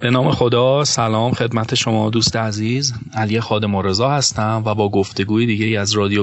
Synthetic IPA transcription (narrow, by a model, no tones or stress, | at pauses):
b̥e̞nɒːme̞xo̞d̪ɒːsælɒːmxe̞d̪mæt̪ʰe̞ʃo̞mɒːd̪uːst̪eæziːzælije̞xɒːd̪e̞moɾe̞zɒːhæst̪æmvæbɒːɡo̞ft̪e̞ɡuːjed̪iːɟe̞jiæzɾɒːd̪ijo